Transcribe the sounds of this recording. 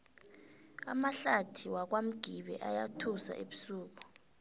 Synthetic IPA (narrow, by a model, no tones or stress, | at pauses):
a̰maɬatʰiwak̬wam̩ɡ̥ʱiɓɛ̰ʔajatʰusa̰ʔeɓusuːk̬ɔ̥